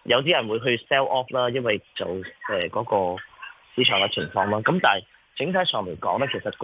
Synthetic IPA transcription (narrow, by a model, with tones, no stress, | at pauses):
jɐ˨˧wt̪̬iː˥jɐ˨˩nwuː˨˧jɦɵ˧sɛː˥wʔɔː˥flaː˥jɐ˥nwɐ˨jt͡sɐ˨wʔɛː˨˩kɔː˨˥kɔː˧siː˧˥t͡ʃʰœː˨˩ŋɐ˨˧t͡sʰɪ̰˨˩ŋfɔː˧ŋlaː˥kɐ˨˥mt̪aː˨˩j | t͡sɪ˨˥ŋt̪ʰaː˨˥sʰœː˨ŋle˨˩jkɔː˨˥ŋlɛː˥kʰe˨˩sɐ˨t̚k